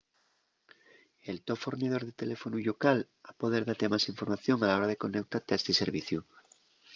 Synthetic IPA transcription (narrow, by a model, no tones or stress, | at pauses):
elt̪ofoɾnið̞o̞ɾðet̪e̞lefonuʎokal | apoðeɾðat̪emasiɱfo̞ɾmaθjo̞ŋalao̞ɾaðe̞ko̞nek̚t̪aɾt̪eaest̪iseɾβiθju